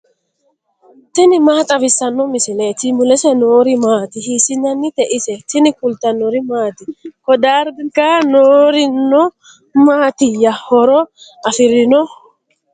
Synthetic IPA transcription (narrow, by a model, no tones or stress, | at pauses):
t̪ɪnɪmaːt̪ʼɐfɪsːɐnːɔmɪsɪleːt̪ɪmʊlɛsɛnoːɾɪmaːt̪ɪhiːsɪnɐnːɪt̪ɛʔɪsɛt̪ɪnɪkʊlt̪ɐnːɔɾɪmaːt̪ɪhɔd̪aːɾbɪŋkanoːɾɪnːɔ | maːt̪ɪjɐhɔɾɔɐfɪɾɪnɔ